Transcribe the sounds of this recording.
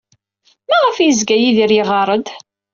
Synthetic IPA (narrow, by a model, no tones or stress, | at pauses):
mæʁəfjəzɡæjiðiɾjiʁɑɾˤəd̪